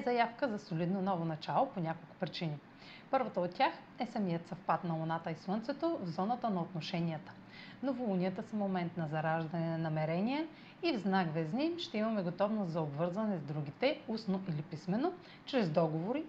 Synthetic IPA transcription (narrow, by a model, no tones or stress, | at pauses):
zɐjafkəzɐsolid̪nonɔvonɐt͡ʃalˠoponʲakolˠkʊ̥pɾit͡ʃini | pɤɾvɐt̪əot̪tʲːax | ɛsɐmijət̪sɐfpat̪nɐlonat̪əislˠənt̪sɛt̪ovzɔnət̪ənɐot̪noʃɛniət̪ə̥ | novolˠuniət̪əsɐmomɛnt̪nɐzɐɾaʒd̪ɐnɛnɐmɛɾɛniɛ | ivznaɡvɛznimʃt̪ɛimɐmɛɡot̪ɔvnost̪zɐobvɤɾzvɐnɛzd̪ɾuɡ̟it̪ɛusnoʔilipismɛno | t͡ʃɾɛzd̪ɔɡovoɾi